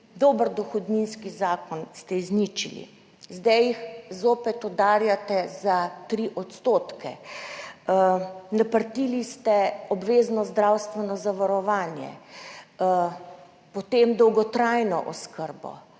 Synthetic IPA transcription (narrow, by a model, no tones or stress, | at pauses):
d̪oːbəɾd̪ɔxɔd̪ninskizaːkɔnst̪ɛiznit͡ʃḭlḭ | zd̪ɛjixzoːpɛt̪ɔd̪aːɾjat̪ɛzat̪ɾiʔɔt̪st̪oːt̪kɛ̰ | napəɾt̪ilist̪ɛɔbʋeːznɔzd̪ɾawst̪ʋɛnɔzaʋaɾɔʋaːnjɛ̰ | pɔt̪emd̪ɔwɡɔt̪ɾajnɔʔɔskəɾbɔ̰